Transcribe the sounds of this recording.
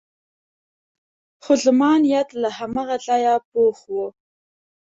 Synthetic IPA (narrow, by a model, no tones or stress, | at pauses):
xozmɑnijat̪lahamaɣaɮɑjapoxwu